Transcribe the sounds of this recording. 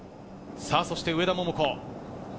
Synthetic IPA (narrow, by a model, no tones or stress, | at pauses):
saso̞ɕi̥t̪eɯ̟e̞d̪amomɯ̟koː